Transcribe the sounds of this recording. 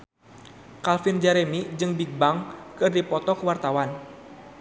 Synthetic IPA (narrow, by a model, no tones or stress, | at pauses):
kalfind͡ʒaɾɛmid͡ʒɨŋbik̚baŋkɨrdipɔt̪ɔkəwart̪awan